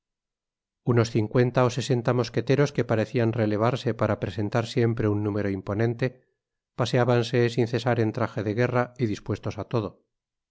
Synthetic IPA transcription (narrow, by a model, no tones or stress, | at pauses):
uno̞sθiŋkwe̞nt̪ao̞se̞se̞nt̪amo̞ske̞t̪e̞ɾo̞ske̞paɾe̞θianrele̞β̞aɾse̞paɾapɾe̞se̞nt̪aɾsje̞mpɾe̞unːũme̞ɾo̞impo̞nẽ̞nt̪e̞ | pase̞aβanse̞sinθe̞saɾe̞nt̪ɾaxe̞ðe̞ɣ̞e̞raiðispwe̞st̪o̞sat̪o̞ðo̞